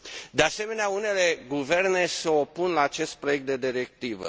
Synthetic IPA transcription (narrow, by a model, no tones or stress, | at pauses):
d̪ease̞me̞neaune̞le̞ɡuve̞rne̞seo̞punlaːt͡ʃe̞st̪̚pɾoje̞k̚t̪̚d̪e̞d̪iɾe̞k̚t̪ivə̰